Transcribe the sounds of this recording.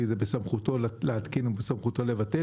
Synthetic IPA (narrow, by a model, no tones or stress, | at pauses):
izebesamχut̪olleat̪kinubesamχut̪olevat̪e